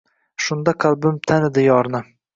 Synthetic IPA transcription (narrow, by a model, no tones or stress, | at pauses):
ʃʊnd̪ɑqʰalˠbɪmt̪ʰanɪd̪ɪjɒɾnɪ